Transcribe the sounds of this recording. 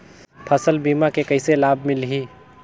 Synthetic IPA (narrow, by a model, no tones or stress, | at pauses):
pʰəsəlbiːmakekəɪselaːbʱmɪlɦi